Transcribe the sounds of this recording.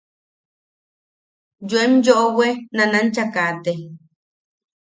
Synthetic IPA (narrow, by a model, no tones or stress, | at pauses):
d͡ʒuemjoʔowenanant͡ʃakat̪e